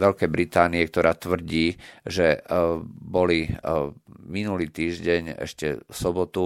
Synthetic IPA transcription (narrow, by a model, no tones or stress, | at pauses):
ʋɛlkɛjbɾit̪aːniɛkt̪ɔɾʔaːt̪ʋr̩ɟiːʒɛ | bɔli | minuliːt̪iːʒɟɛɲɛ̰ʃcɛ̰sɔbɔt̪u